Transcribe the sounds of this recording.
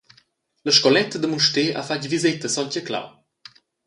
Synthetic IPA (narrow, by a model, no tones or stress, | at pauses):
ləʃkɔlɛt̪əd̪əmuʃteʔa̰facvizit̪əsɔnʲcəkla̰w